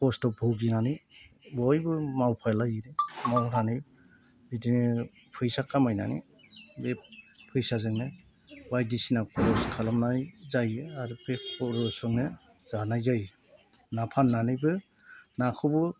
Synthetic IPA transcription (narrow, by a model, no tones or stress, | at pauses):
kɔstɔbʱɔɡinanɯj | bɔjbɯmawpʰajlajiɾɯmawɾanij | bidini | pʰɯjsakʰamajna̰nḭ | bepʰɯjsazɯŋne | bajdisinapɔɾɔskʰalɔmnajzajaɾɯpʰepɔɾɔsɔŋne | zanajzaj | napʰanːanɯjbɯ | nakʰɯbɯ